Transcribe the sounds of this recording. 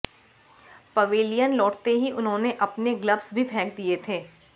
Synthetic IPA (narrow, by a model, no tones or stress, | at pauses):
pɐʋeːlijənlɔːʈt̪eɦiʔʊnɦõneʔɐpneɡləbsbʱipʰɛ̃ːk̚d̪iet̪ʰeː